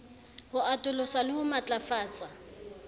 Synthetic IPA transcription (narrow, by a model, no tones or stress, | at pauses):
hʊatʼʊlɔsalɪhʊmat͡ɬʼafaːt͡sʼa